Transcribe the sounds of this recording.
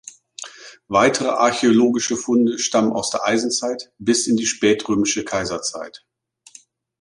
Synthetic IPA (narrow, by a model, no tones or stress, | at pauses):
vaɪtʰəʁ̞əʔa̰ɐçeoloːɡɪʃəfʊndəʃtaməna̰ʊsd̥eːɐʔaɪzn̩t͡saɪtb̥ɪsɪndiːʃpɛːtʁøːmɪʃəkʰaɪzɐt͡sa̰ɪt